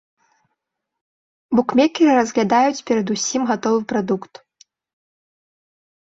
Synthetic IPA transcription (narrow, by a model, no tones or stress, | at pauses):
bukmʲɛkʲirɨrɐzɣlʲad̪ajut͡sʲpʲɛɾɐd̪usʲimɣat̪ɔvɨpɾad̪ukt̪